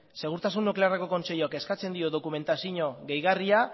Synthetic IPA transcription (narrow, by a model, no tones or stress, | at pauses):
se̞ɣ̞uɾt̪asunːukle̞areko̞ko̞nt͡ʃe̞joake̞skat͡se̞nd̪io̞ðo̞kume̞nt̪asiɲo̞ɣe̞jɣaria